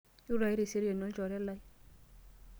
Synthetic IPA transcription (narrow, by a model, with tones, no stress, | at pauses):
ju˦ɾa˨jɾi˨se˦ɾje˨nɔ˦d͡ʒɔ˨ɾɛ˦la˦j